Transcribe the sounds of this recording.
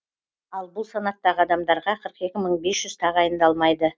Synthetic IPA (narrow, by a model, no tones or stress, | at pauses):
ɑlˠbʊlˠsɑnɑt̪ːɑʁəɑd̪ɑmd̪ɑɾʁɑqʰəɾəqe̞kʲɪməɴbe̞sʒ̥ʏz̥t̪ʰɑʁɑjənd̪ɑlˠmɑjd̪ə